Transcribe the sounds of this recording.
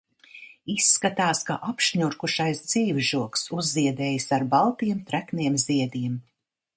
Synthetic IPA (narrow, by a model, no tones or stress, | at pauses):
isːkat̪aːska̰ʔapʃɲuɾkuʃajsd̪ziːvʒuɔksuzːiɛd̪ɛːjisaɾbalˠt̪iɛmt̪ɾækniɛmziɛd̪iɛm